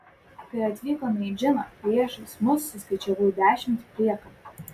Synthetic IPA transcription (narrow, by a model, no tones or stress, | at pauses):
kɐɪɐt̪ʲʋʲiːkonɐid͡ʒʲɪnɐpʲɾʲiɛʃɐsmʊsːʲʊsʲkɐɪt͡ʃʲɛbuːjd̪ʲæːʃʲɪmʲt̪ʲpʲɾʲiɛkɐ